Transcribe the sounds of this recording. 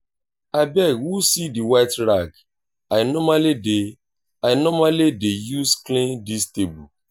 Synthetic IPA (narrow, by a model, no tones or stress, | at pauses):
abɛɡwusidiwaɪtɾaɡ | aɪnɔmalide | aɪnɔmalidejusklĩndistebṵ